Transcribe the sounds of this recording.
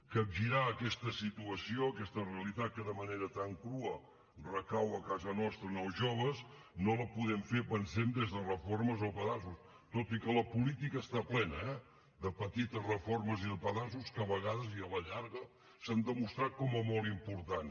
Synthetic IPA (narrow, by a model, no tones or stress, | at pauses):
kəɡʒiɾaəkɛst̪əsit̪uəsioəkɛst̪əreəlit̪at̪̚kəðəməneɾət̪aŋkɾuə | rəkawəkazənɔst̪ɾənəlˠzʒoβ̞əs | noləpuðɛmfepənsɛmd̪ezðərəforməzopəðasus | t̪ot̪ikələpulit̪ikəːst̪aplɛnəɛ | ðəpət̪it̪əzrəforməziðəpəðazuskəβəɣ̞aðəziələʎaɾɣə | sand̪əmust̪ɾat̪̚kɔmɛmolˠimpuɾt̪an